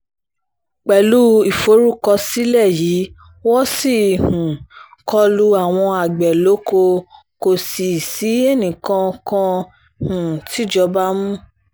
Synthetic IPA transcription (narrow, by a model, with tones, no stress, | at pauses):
k͡pɛ˨lu˦i˨fo˨˦ɾu˦kɔ˧si˦lɛ˦˨jiː˨˦ | wɔ˦si˦˨hũ˨ | kɔ˧lu˦a˦˨w̃ɔ̃˧a˨ɡ͡bɛ˨lo˨˦ko˧ | ko˨si˨si˨˦e˦˨nĩ˨kã˧kã˧ | hũ˨ti˦˨d͡ʒɔ˧ba˦mũ˦